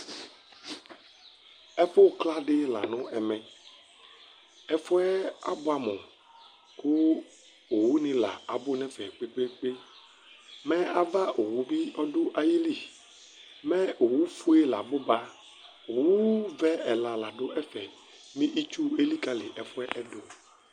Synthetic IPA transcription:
ɛ˦fo˦˨kla˦ɖɪ˦la̰˨nɔ̃˦ɛ˨mɛ̃˨ | ɛ˦fʊ˦ɛ˦a̰˦bʊ˦a˨mɔ̃˨ | ko˦ | o˨wu˦nɪ̃˨la̰˨a˨bʊ˦nɛ̃˦fɛ˨k͡pe˦k͡pe˦k͡pe˦ | mɛ̃˦a˨va˦ʔo˨wu˨vi˦ɔ˦do˦ʔa˨ji˦li˦˨ | mɛ̃˦o˨wu˦fu˦e˦la̰˨bʊ˦ba˦ | o˨wu˦vɛ˦ɛ˨la˨la˨ɖʊ˦ɛ˦fɛ˨ | mĩ˦ʔi˦t͡ʃu˦e˦li˦ka˨lɪ˨ʔɛ˨fʊ˦ɛ˦ʔɛ˦do˨

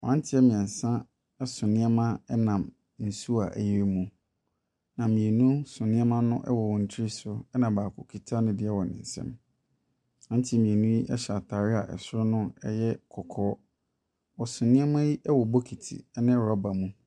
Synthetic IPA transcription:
wã˦n˦tʰɪ˦ɛ˦mĩ˨ɛ̃˨n˨sã˦ | ɛ˦sʊ̃˨nɪ̃˦ɛ˦mã˦ɛ˦nã˨m | n̩˨su˦a˨ʔæ̰˨ji˦ɾmũ˨ | nã˨mĩ˨e˨nũ˦sʊ̃˨nɪ̃˦ɛ˦mã˦nʊ̃˦ʔɛ̰˦wɔ˨wɔ̃˨n̩˨tʰɾi˦sʊ˦ɛ˦nã˨baː˨kʰʊ˨kʰi˨tʰa˦nʊ̃˦dɪ˨ɛ˦wɔ˨nɪ̰̃˨n̩˨sɛ̰̃˦m | ã˦n˦tʰi˦mĩ˨e˨nũ˦ji˦ʔɛ˦ɕa˨tʰa˨ɾɪ˦a˨ʔɛ̰˨sʊ˦ɾʊ˦nʊ̃˦ɛ˦jɛ˦kʰɔ˨kʰɔː˦ | wɔ˨sʊ̃˨nɪ̃˦ɛ˦mã˦ji˦ʔɛ˦wɔ˨bo˦kʰi˨tʰḭ˨ɛ˦nɪ̃˦˨ɾɔ˦ba˨mũ˦

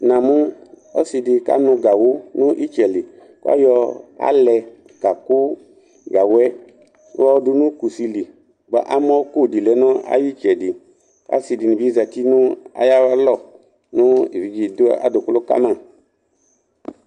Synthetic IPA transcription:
nã˨mũ˦ | ɔ̰˦si˧di˧ka̰˦nũ˧ɡa˨wo˦nũ˦ʔi˦t͡ʃɛ˨li˨ | ka̰˦jɔ˧a̰˦lɛ˧ | ka˨ku˦ | ɡa˨wɛ˦ | ɔ˦du˧nũ˦ku˨si˧li˨ | ba̰˨ʔa˦mɔ̃˦ku˦˨di˨lɛ˨˦nɔ̃˦a̰˦ji˦t͡ʃɛ˨di˨ | ka̰˦si˧di˨nĩ˨bi˦za˨ti˦nũ˦a̰˨ja˦wa˦lɔ˦˨ | nũ˦ḭ˨vi˨d͡ʒi˨da̰˨do˨ku˦lo˦ka̰˦mã˦˨

